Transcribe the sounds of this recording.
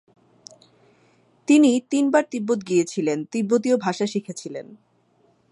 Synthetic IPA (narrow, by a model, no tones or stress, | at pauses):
t̪init̪inbaɾt̪ibːot̪̚ɡijet͡ɕʰilent̪ibːot̪̬iobʱaʃaʃikʰet͡ɕʰilen